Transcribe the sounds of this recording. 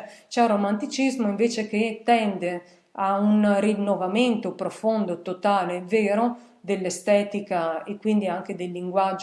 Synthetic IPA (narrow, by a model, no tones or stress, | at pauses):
t͡ʃɛrːomant̪it͡ʃizmoiɱveːt͡ʃeket̪ːɛnd̪e | aunrinːovament̪opɾofond̪ot̪ot̪aːleveːɾo | d̪elːest̪ɛːt̪ikaekːwind̪iaŋk̟ed̪elːiŋɡwad͡ʒ